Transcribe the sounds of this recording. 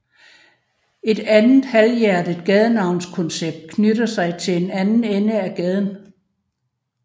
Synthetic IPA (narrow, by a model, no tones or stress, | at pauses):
e̝d̥ænð̩ˠhæljæɐd̥id̥̚ɡ̥ɛð̞ˠənɑ̈ʊ̰nskʰɔ̽nseb̥̚d̥̚kʰnøɾ̥ɐsɑ̈ɪt͡sʰe̝le̝nænn̩enəæɡ̥ɛð̞ˠən̩